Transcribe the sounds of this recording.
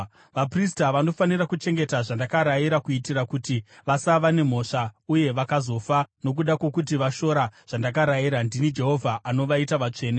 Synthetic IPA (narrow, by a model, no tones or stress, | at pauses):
ʋapris̬taʋano̞fanirakut͡ʃe̞ŋɡe̞taʐandakaɾajiɾakuitiɾakutiʋasaʋane̞m̤o̞ʂauje̞ʋakazo̞fano̞k̬uɗakwe̞kutiʋaʃo̞ɾaʐ̥andakaɾajiɾandinid͡ʒe̞ɦo̞vʱaʔano̞ʋaitaʋat͡ʂe̞ːne